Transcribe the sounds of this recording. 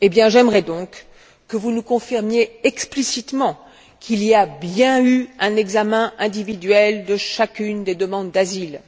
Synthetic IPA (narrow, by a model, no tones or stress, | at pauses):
ebjɛ̃ʒɛmʁɛd̪ɔ̃kː | əvunukɔ̃fiʁmjeɛksplisit̪mɑ̃ | kʰiliabjɛ̃yɛ̃nɛɡzamɛ̃ɛ̃d̪ivid̪ɥɛld̪əʃakʲynd̪ed̪əmɑ̃d̪ːazil